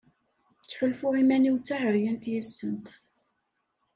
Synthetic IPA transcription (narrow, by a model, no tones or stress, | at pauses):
t͡sːħʊlfʊʁimæniwt͡sːahəɾjənt̪jəsːənt̪